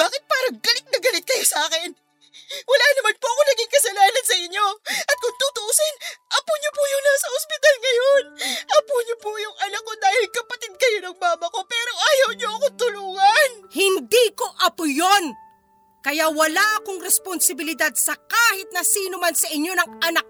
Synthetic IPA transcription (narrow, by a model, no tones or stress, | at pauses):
baːkɪt̪̚paːɾɐŋɡɐlɪt̪̚nɐɡɐlɪt̪̚kɐjosɐaːkɪn | wɐlaːnɐmanpoʔɐkonɐɡɪŋkɐsɐlaːnɐnsɐʔɪɲːo̞ʔɐt̪̚kʊŋt̪ut̪ʊʔusɪnʔɐpuɲopujʊŋnaːsɐospɪt̪alŋɐjonʔɐpuɲopujʊŋʔɐnɐk̚ːod̪aːhɪlkɐpɐt̪ɪd̪̚kɐjo̞nɐŋmaːmɐko̞pɛːɾo̞ʔɐjɐwɲoʔɐkot̪ʊluːŋɐnhɪnd̪iko̞ʔɐpʊjon | kɐjawɐlaʔɐko̞ŋɾɛsponsɪbɪlɪd̪ad̪̚sɐkaːhɪt̪̚nɐsiːnomansɐʔɪɲːo̞nɐŋʔɐnak̚